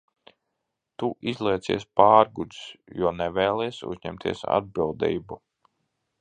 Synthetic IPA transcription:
t̪uʔizlˠiɛt̪sḭɛspaːɾɡud̪sjuɔnɛvɛːlˠɛjsṵzɲɛmt̪ʰiɛsa̰d̪̚bilˠd̪ḭːbu

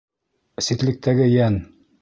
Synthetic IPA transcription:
sit̪lɘ̆k̚t̪ʰæɡɘjæn

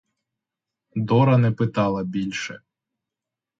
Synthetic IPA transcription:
d̪ɔɾɐnɛpɪt̪ɑlˠɐbʲilʲʃɛ

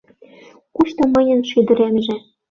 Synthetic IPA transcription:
kuʃt̪ŏmɤjə̆nʃyd̪ə̆ɾemʒĕ

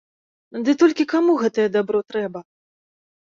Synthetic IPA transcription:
d̪ɨt̪ɔlʲkʲikamuɣɛt̪ɐjɛd̪abɾɔt̪ɾɛbɐ

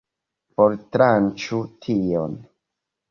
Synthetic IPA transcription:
poɾtɾant͡ʃutʰion

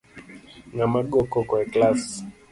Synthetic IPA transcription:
ŋamaɠɔkɔkwɛklas

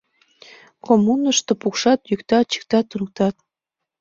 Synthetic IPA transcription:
komunəʃt̪opukʃɑt̪jykt̪ɑt̪t͡ɕi̥k̚t̪ɑt̪ːunɤ̆k̚t̪ɑt̪̚

